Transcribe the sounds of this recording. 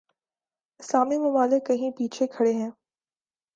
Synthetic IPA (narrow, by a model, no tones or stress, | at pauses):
ɪslaːmimʊbaːlɪkːɐɦĩpiːt͡ʃʰekʰɐɽeɦɛ̃ː